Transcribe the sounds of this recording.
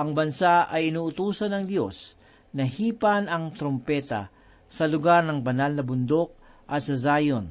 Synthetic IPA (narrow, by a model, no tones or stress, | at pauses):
ʔɐŋbɐnsaʔɐjɪnuːʔʊt̪uːsɐnɐŋd̪jo̞̰s | nɐhiːpɐnɐŋt̪ɾompɛt̪ɐ̰ | sɐlʊɡaɾnɐŋbɐnalnɐbʊnd̪o̞k̚ʔɐt̪sɐzaːjon